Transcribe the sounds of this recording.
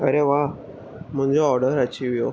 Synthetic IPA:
ə̰ɾeʋa | m̤əɳd͡ʑeɔɾɽəɾət͡ɕiʋjo

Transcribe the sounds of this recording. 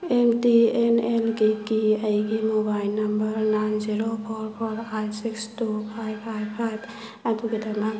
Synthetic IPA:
emtienelɡikiajɡimɔbajlnːambəɾnajnziɾopʰɔɹpʰɔɾajsikstupʰajpʰajpʰajb | atuɡetʰana

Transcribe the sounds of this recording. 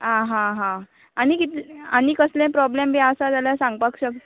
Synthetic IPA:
ãɦãɦã | añikit̪ianikəslɛ̃pɾɔblembʱiasad͡zaljasãŋɡpakɕəkt̪

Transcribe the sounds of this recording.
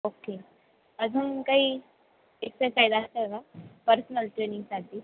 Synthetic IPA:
oːke | ɐbɦɐmkɐi | ɪsːesaːɪd̪aseeɡapəɾsnəlʈɾeːnɪ̃ŋɡsad̪i

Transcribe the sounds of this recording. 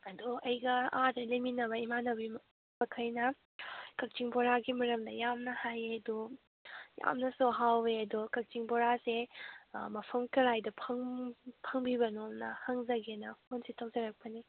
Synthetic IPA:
ɐduɐjɡɐadɐleminɐβɐimanɐbi | bɐkʰɐjnɐ | kɐk̚t͡ʃiŋboɾaɡimɐɾɐmdɐjamnɐhajeɐdu | ja̰mnɐsuɦaweɐdukɐk̚t͡ʃiŋboɾase | mɐpʰɐmkɐɾajdɐpʰɐŋpʰɐŋbibɐnomnɐhɐŋzɐɡenɐhonsitʰɐwzɐɾɐk̚pɐni

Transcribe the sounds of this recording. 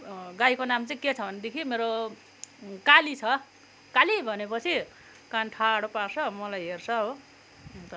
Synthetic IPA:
ɡajkonamt͡sʌĩket͡sʰʌbʱʌned̪ekʰimeɾo | kalit͡sʰʌ | kalibʱʌnepʌt͡sʰi | kanʈʰaɽoparsʌmʌlajɦert͡sʰʌɦo | t̪ʌ

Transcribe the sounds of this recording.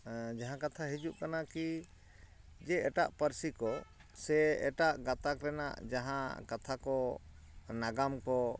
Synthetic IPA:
d͡ʒaɦãkat̪ʰaɦid͡ʒuʔkanaki | d͡ʒɛɛʈaʔpəɾsikɔ | sɛɛ̰ʈaʔɡat̪akɾɛna̰ʔd͡ʒaɦãkat̪ʰakɔ | naɡamkɔ

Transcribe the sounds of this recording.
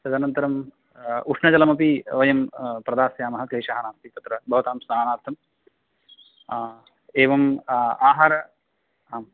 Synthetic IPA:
sɐd̪ɐnɐnt̪ɐɾɐm | uʂɳɐt͡ʃɐlɐmɐpiʋɐjɐmpɾɐd̪aːsjaːmɐɦɐkleːʂaːɦɐnaːmt̪it̪ɐt̪ɾɐbʱɐʋɐt̪aːmsnaːnaːɾt̪ʰɐm | eːʋɐmaːɦaːɾɐ | m

